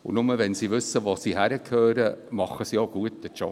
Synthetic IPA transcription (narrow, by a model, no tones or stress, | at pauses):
ʊ̰nʊməvɛnsiːʋʏsəʋoːsiːhæɾəkʰhøːɾəmɑχəsijoɡ̥uətd̥ət͡ʃɔ̰